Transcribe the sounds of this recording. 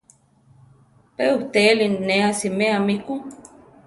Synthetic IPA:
peuht̪elinneasimeamiku

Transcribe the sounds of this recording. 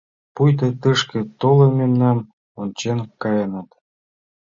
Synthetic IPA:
pujt̪̬ɤ̆t̪ɨʂkĕt̪olˠɤ̆mʲemnɑm | ont͡ɕenkɑjɤnɑt̪

